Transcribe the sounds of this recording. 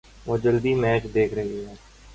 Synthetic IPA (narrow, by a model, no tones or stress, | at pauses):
ʋoːd͡ʒəld̪iːmɛːt͡ʃd̪eːkʰɾəɦiɦɛː